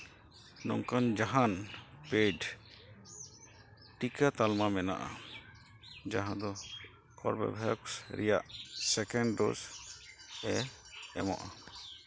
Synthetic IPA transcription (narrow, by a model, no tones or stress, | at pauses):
nɔ̰ŋkand͡ʒaɦanpeɖ | ʈikat̪almamɛna̰ʔa̰ | d͡ʒaɦãd̪ɔ | ɔ̰ɾbɛ̰bʱɛksɾɛ̰jaʔsɛkɛɳɖɖos | ɛɛ̰mɔ̰ʔa